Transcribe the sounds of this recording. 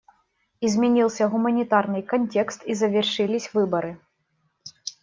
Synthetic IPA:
izʲmʲɛnʲilˠsʲɐɣʊmɐnʲit̪arnɨjkɐnʲtʲɛkst̪izɐvʲɛrʂɨlʲisʲvɨbɐɾɨ

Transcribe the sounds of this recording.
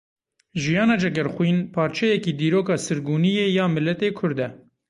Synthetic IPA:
ʒijɑːnɑːd͡ʒɛɡɛɾxwiːnpʰɑːɾt͡ʃʰɛjɛkiːd̪iːɾoːkɑːsɨɾɡuːnijeːjɑːmɨlːɛt̪eːkʰʊɾd̪ɛ

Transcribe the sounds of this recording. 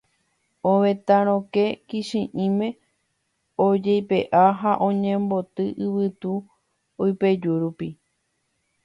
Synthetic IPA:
õʋẽt̪aɾ̃õke̞kiʃĩʔĩmẽ̞ | od͡ʒejpeʔaɦaʔõ̞ɲẽ̞mbo̞t̪ɨʔɨβɨt̪u | ojped͡ʒuɾupi

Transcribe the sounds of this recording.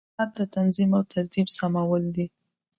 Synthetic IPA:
at̪̚d̪ət̪anzimawt̪ʰaɾt̪ibsamawəld̪i

